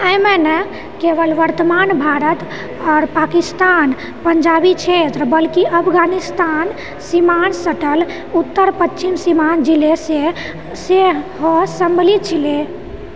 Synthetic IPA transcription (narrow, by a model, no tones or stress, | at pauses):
əjmenə | keʋəlʋəɾt̪əmanbʱaɾət̪ | ɔːɾpakist̪an | pəɲd͡ʒabit͡ʃʰet̪ɾəbəlkiʔəpʰɡanist̪an | simansəʈəl | ut̪ːəɾpət͡ʃʰimsimand͡ʒilese | seɦɔsəmbəlit̪̚t͡ʃʰile